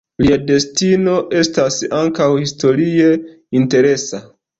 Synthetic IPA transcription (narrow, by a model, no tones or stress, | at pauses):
liade̞stino̞ʔe̞stasaŋkawhisto̞ɾie̞ | inte̞ɾe̞sa